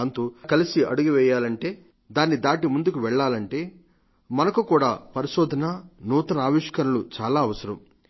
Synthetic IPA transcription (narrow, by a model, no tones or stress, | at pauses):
nt̪ukɐlisiɐ̰ɽuɡiʋɛːjaːlɐɳʈe̞ː | d̪aːnːid̪aːʈimund̪ukuʋɛɭːaːlɐɳʈe̞ː | mɐnɐkukuːɽa̰ːpɐɾiʃoːd̪ʱɐnɐnuːt̪ɐnɐaːʋiʂkɐɾulut͡ʃaːlaːɐʋɐsɐɾɐm